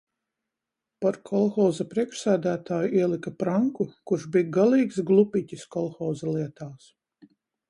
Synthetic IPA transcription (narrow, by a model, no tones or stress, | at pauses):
paɾkʰɔlˠxɔːzapɾiɛkʃsæːd̪æːt̪aːjuiɛlˠikapɾaŋkukuɾʃbijɡalˠiːksɡlˠupʲicʲiskɔlˠxɔːzalˠiɛt̪aːs